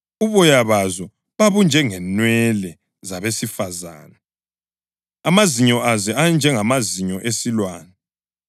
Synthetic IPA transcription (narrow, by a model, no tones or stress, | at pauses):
uβɔjaβazɔ | βaβund͡ʒʱɛŋɛnwɛlɛ | zaβesifaza̰ːna | amaziɲɔʔazɛand͡ʒʱɛŋamaziɲɔʔesilwaːnɛ